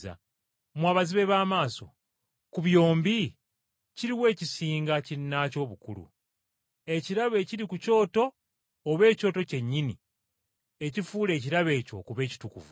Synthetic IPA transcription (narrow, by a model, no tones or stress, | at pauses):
a̰ | mwaːβaziβe̞βaːmaːso̞̰ | kuβjo̞ːmbi | ciɾiwe̞ːcisiːŋɡacinːaco̞ːβukṵlṵ | e̞ciɾaβe̞ciɾikuco̞ːto̞ː | βe̞ːco̞ːto̞ce̞ɲːinḭ | e̞cifuːle̞ːciɾaβe̞ːco̞̰kuβe̞ːci̥tukṵvu